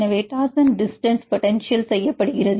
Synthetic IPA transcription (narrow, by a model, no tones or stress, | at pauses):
nɐʋeːʈːaːsɐnɖɪsʈɐnspɔʈɛnʂɪjɐlsɛjːɐpːɐɽɯɣɪrɐð